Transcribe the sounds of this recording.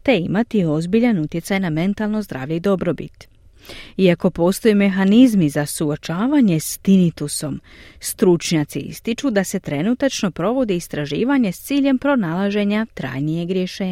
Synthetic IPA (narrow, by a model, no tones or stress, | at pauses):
t̪e̞imat̪io̞zbiʎanut̪je̞sajname̞nt̪alˠno̞zd̪ɾa̰ːʋʎeid̪o̞bɾo̞bḭt̪ | iako̞po̞ːst̪o̞jeme̞xanizmizasuot͡ʃaːʋaɲe̞st̪init̪uso̞mst̪ɾut͡ʃɲaːt̪sḭḭst̪it͡ʃud̪ase̞t̪ɾe̞nut̪at͡ʃno̞pɾo̞ʋo̞d̪iːst̪ɾaʒḭːʋaɲe̞st̪siːʎe̞mpɾo̞nalˠaʒe̞ɲat̪ɾa̰ːjnijeɡɾjeʃeː